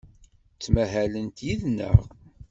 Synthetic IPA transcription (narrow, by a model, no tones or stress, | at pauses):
t͡sːmæɦælənt̪jiðnə̰ʁ